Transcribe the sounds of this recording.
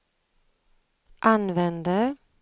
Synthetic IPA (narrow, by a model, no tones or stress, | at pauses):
ʔanvɛnd̪ə